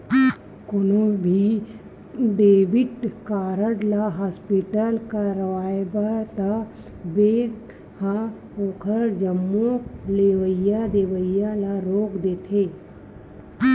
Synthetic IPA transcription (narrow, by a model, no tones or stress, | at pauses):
konõbʱi | d̪eːbɪʈkaːɾəɽlaɦaːspiʈəlkaɾəʋaːjbaɾt̪a | beː | hã | oːkʰəɾd͡ʒəmːõleːʋəɪjad̪eːʋəijalaɾoːkd̪eːt̪ʰeː